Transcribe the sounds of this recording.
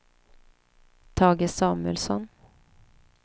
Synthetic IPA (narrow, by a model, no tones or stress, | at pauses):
t̪ʰɑːɡəsɑːmʉəlsɔ̰n